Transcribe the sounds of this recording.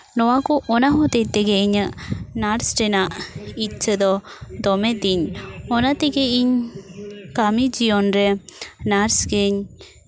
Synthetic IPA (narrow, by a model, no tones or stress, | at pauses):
nɔwakɔʔɔnaɦɔt̪ɛt̪ɛɡeiɲənaɾsʈɛnaʔitt͡ʃʰəd̪ɔd̪ɔmɛt̪iɲɔnat̪ɛɡɛiɲ | kamid͡ʒiɔnɾɛnaɾsɡeɲ